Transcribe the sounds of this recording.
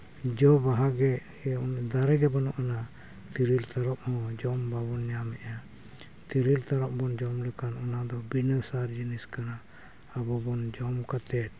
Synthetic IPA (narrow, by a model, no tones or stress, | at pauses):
d͡ʒɔbaɦaɡɛ | nd̪aɾɛɡɛbanɔʔana | t̪iɾilt̪aɾɔp̚hɔ̃d͡ʒɔmbabɔnjamɛʔa | t̪iɾilt̪aɾɔʔ̚bɔnd͡ʒɔmlɛkanɔnad̪ɔbinəsaɾd͡ʒiniskana | abɔbɔnd͡ʒɔmkat̪ɛt̪̚